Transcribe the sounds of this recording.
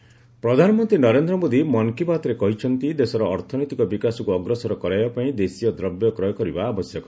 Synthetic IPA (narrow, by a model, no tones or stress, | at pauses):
pɾɔd̪ʱanɔmɔnt̪ɾinɔɾend̪ɾɔmod̪imɔŋkipat̪ɔɾekɔɦit͡ʃʰɔnt̪id̪esɔɾɔːɾt̪ʰɔnojt̪ikɔbikasɔkuɔɡɾɔsɔɾɔkɔɾajbapaĩd̪esijɔd̪ɾɔbjɔkɾɔjɔkɔɾibaːbɔsjɔkɔ